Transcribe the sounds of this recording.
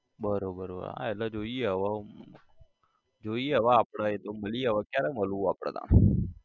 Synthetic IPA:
bəɾobəɾə̰a̰ɛlad͡ʒoieɦəʋa | d͡ʒoiɦəʋaːpɽaet̪oməliəʋakjaɾɛməlũapɽ̃a̰nã̰n

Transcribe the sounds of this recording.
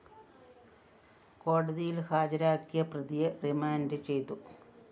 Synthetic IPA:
ko̞ːɽɐðijilhaːd͡ʑɐɾaːkːijɐprɐðijɐrimaːndɨt͡ɕe̞jt̪u

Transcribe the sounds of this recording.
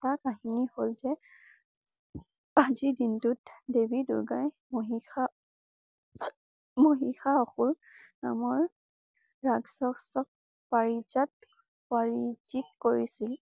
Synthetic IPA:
takaɦiniholzɛ | azidintʊtdebidʊ̰ɹɡaj | moɦia | moɦixaɔxʊɹ | namɔɹ | ɹaɡsɔksɔk̚ | paɹid͡ʒat̚ | paɹid͡ʒik̚koɹisil

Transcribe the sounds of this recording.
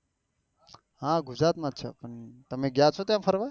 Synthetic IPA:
ɦãɡʊd͡ʒɾat̪mãːt̪ːʃʰa̰pəɳt̪əmẽɡjat͡ʃʰot̪jãpʰəɾʋa

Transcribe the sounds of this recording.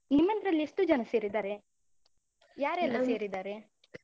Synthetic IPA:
nimːɐnɾɐlːiesʈud͡ʒɐnɐse̞ːɾid̪aːɾe | jaːɾɛlːɐseːɾid̪aːɾe

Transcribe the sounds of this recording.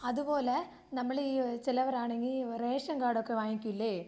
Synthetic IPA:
ɐðupoːle | nɐmːɐɭiːt͡ɕilɐʋɐɾaːɳeŋɡiɾeːʂɐŋɡaːɽokːeʋaːŋikʲːuilːeː

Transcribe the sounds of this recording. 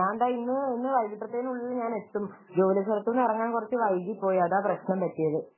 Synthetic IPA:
ɲaːɳɖaːinːɨinːɨʋɐjɡiʈːɐt̪ːenuɭːilːɲaːne̞t̪ːum | d͡ʑo̞ːlɐsɐlɐt̪ːunːɐrɐŋːaːnkurɐt͡ɕːɨʋɐjɣipːo̞ːjɐðaːprɐɕnɐmpɐtːijɐðɨ

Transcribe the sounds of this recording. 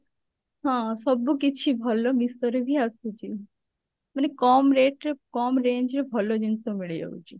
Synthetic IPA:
ɦãsɔbukit͡ʃʰibʱɔlɔmist̪ɔɾebʱiasut͡ʃʰi | manekɔmɾeʈɾekɔmɾẽɲd͡ʒɾebʱɔlod͡ʒint̪omiɭed͡ʒa̰ut͡ʃʰi

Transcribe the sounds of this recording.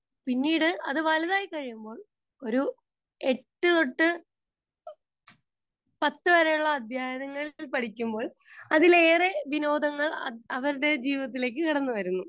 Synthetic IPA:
pinːiːɽɨʔɐðɨʋɐlɐðaːjikɐɻijumbo̞ːɭ | o̞ɾu | e̞ʈːɨðo̞ʈːɨ | pɐt̪ːɨʋɐɾɐjuɭːɐːd̪ʱjaːjɐnɐŋːɐɭilpɐʈikʲːumbo̞ːɭ | ɐðile̞ːreʋino̞ːd̪ɐŋːɐɭɐʋɐɾuɽe̞d͡ʑiːʋɐt̪̬ːile̞ːk̬ːɨkiɽɐnːɨʋɐɾunːu

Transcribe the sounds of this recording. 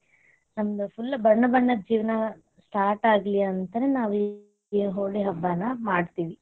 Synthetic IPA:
nɐmɐd̪ɐpulːɐbɐɳːɐbɐɳːɐd͡ʒiːʋɐnɐ | sʈaːɾʈaːɡliɐnt̪ɐneːnaːʋi | eɦoːɽiɦɐbːaːnːɐmaːɖt̪iːʋi

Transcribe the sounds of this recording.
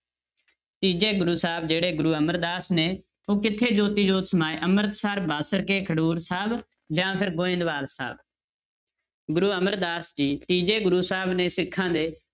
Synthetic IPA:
t̪iːd͡ʒeːɡʊɾuːsaːb̚d͡ʒeːɽeːɡʊɾuːəməɾd̪aːsneː | oːkɪt̪ʰːeːd͡ʒoːt̪iːd͡ʒoːt̪səmaːeːʔəməɾt̪saːɾbaːsəɽkeːkʰəɽuːɾsaːb | d͡ʒãːpʰɪɾɡoːɪ̃ːnd̪ʋaːlsa̰ːb̚ | ɡʊɾuːəməɾd̪aːsd͡ʒiːt̪iːd͡ʒeːɡʊɾuːsaːbnẽːsɪkʰːãːd̪eː

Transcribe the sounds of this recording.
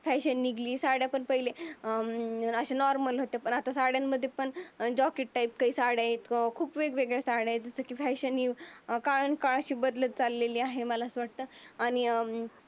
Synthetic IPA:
fɛɕənːiɡʱliːsaɽjapəɳpəɦile | əɕanɔɾməlɦot̪epəɳat̪asaɽjamːəd̪ʱːjepəɳd͡ʑɔkeʈʈaip̚kaiːsaɽajet̪kʰuːpʋeɡʋeɡɭjasaɽajet̪̚d͡zəsəkiːfɛɕəniːkaɭənkaɭəɕiːbəd̪lət̪̚t͡salːeliːaɦeməlasʋaɽ̚t̪əːaɽ̃i

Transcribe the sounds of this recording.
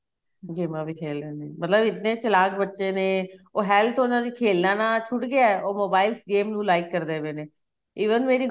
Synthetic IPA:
ɡeːmãːbiːkʰeːleːneːmət̪ləbɪt̪nẽːt͡ʃəlaːkbətːʃeːneːoːɦɛːlt̪ʰʊnãːd̪iːkʰeːlnãːnãːt͡ʃʰʊʈɡɪaːɛoːmoːbaːɪlsɡeːmnũːlaːɪkːəɾd̪eːʋeːneː | iːʋənmeːɾiː

